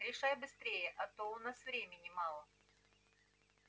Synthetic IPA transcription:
ɾʲɪʂajbɨst̪ɾʲejəʔɐt̪oʊnasvɾʲemʲɪnʲɪmɑlˠə

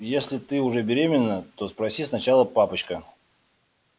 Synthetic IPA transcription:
jesʲlʲɪt̪ɨʊʐɛbʲɪɾʲemʲɪnːət̪o̞spɾɐsʲisnɐt͡ɕalˠəpapət͡ɕkə

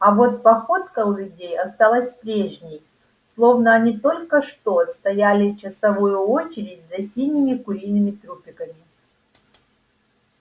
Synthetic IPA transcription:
ɐvo̞t̪̚pɐxo̞t̪kɐʊlʲʊdʲejɐst̪alˠəsʲpɾʲeʐnʲɪj | slˠo̞vnəɐnʲit̪o̞lʲkəʂt̪oɐt̪st̪ɐjalʲɪt͡ɕɪsɐvojʊot͡ɕɪɾʲɪdʲzɐsʲinʲɪmʲɪkʊɾʲijnɨmʲɪt̪ɾupʲɪkəmʲɪ

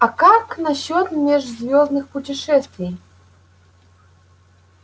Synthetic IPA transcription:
ɐkaknɐɕːɔt̪mʲɛʐzʲvʲɔznɨxpʊtʲɪʂɛst̪vʲej

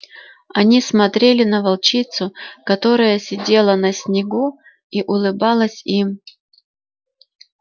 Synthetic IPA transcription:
ɐnʲismɐt̪ɾʲelʲɪnəvɐlˠt͡ɕit̪sʊkɐt̪o̞ɾəjəsʲɪdʲe̞lˠənəsʲnʲɪɡu | iʔʊlˠɨbɑlˠəsʲim

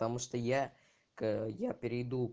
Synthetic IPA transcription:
t̪ɐmuʂt̪oja | kjapʲɪɾʲɪjd̪u

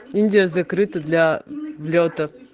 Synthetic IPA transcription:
inʲdʲijəzɐkɾɨt̪əd̪lʲavlʲot̪ə

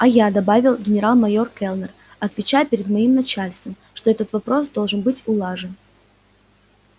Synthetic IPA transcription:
ɐjad̪ɐbavʲɪlˠɡʲɪnʲɪɾalˠmɐjo̞rkɛlˠnər | ɐt̪vʲɪt͡ɕajʊpʲɪɾʲɪd̪mɐimnɐt͡ɕalʲst̪vəmʂt̪o̞ɛt̪ət̪vɐpɾo̞sd̪o̞lˠʐɨnbɨtʲʊlˠaʐɨn

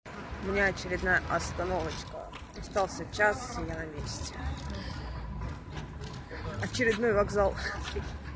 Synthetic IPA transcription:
ʊmʲɪnʲaɐt͡ɕɪɾʲɪd̪najəʔɐst̪ɐno̞vət͡ɕkə̰ | ɐst̪ɑlˠsʲət͡ɕasjanɐmʲesʲtʲɪ | ɐt͡ɕɪɾʲɪd̪no̞jvɐɡzalˠ

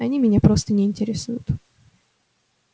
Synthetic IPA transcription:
ɐnʲimʲɪnʲapɾo̞st̪ənʲɪːnʲtʲɪɾʲɪsujʊt̪

